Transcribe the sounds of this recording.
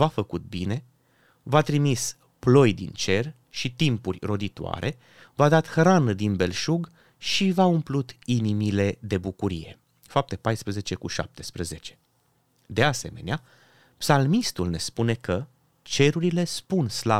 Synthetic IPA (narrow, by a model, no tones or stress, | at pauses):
vafəkut̪̚bine̞ | vat̪ɾimis | plo̞jd̪ḭnt͡ʃe̞r | ʃit̪impurʲro̞d̪it̪oa̰ɾʔe̞ | vad̪at̪xɾanəd̪inbe̞lʃuɡ | ʃivaumplut̪inimile̞d̪e̞bukuɾije̞̰ | fap̚t̪e̞pajspɾəze̞t͡ʃe̞kuʃa̰p̚t̪e̞spɾəze̞t͡ʃe̞̥ | d̪ease̞me̞nea | psalmist̪ulne̞spune̞kə | t͡ʃe̞ɾuɾile̞spunsla